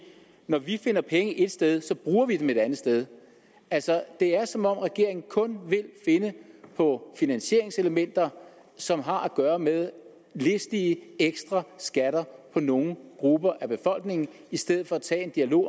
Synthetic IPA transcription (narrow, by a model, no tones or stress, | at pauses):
nɒʋife̝nɐpʰeŋəʔe̝d̥sd̥eð̞ˠsɒ̽b̥ʁuːɐʋid̥eme̝d̥ænð̩sd̥eð̞ˠ | ælsɒd̥e̝æɐsɒ̽mɒ̽m̰ʁɛɡ̥e̝ɐ̰e̝ŋn̩kʰɔ̽nʋe̝lfe̝nəpʰɒ̽finænɕe̝ɐ̰e̝ŋse̝ləmen̰d̥ɐ | sɒ̽mɦɑ̈ʔæɡ̥ɶːɐmeð̞ˠ | le̝sd̥iəeɡ̥sd̥ʁɑ̈sɡ̥æɾ̥ɐpʰɒ̽no̝ːŋ̩ɡ̥ʁub̥ɐʔæb̥e̝fɒ̽l̰ɡ̥ne̝ŋn̩ | isd̥eð̰ˠð̩ˠfɒ̽æt͡sʰɛ̰ːend̥iælo̝̰ː